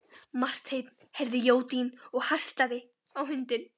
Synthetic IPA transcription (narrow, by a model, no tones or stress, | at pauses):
mar̥t̪hejt̪n | hɛɾðɪjoːwt̪inɔɣhajst̪aðɪ | awɦʏnt̪ɪn